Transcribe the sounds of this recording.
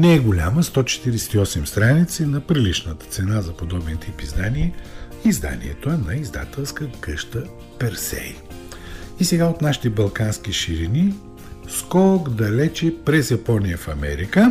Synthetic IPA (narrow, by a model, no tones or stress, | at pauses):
nɛɛɡolʲa̰məst̪ɔt͡ʃɛ̥t̪iɾɛsɛ̥t̪iɔsɛmst̪ɾanit̪sinɐpɾilit͡ʃnət̪ə̥t̪sɛnazɐpod̪ɔbɛnt̪ʰipizd̪aniɛizd̪a̰nḭɛ̰t̪oɐnɐizd̪a̰t̪ɛlˠskəkəʃt̪ə | pɛɾsɛ̰j | isɛɡaot̪naʃi̥t̪ɛbɐlˠkansk̟iʃiɾini | skɔɡd̪ɐlɛt͡ʃɛpɾɛzjɐpɔnijəfɐmɛ̰ɾikə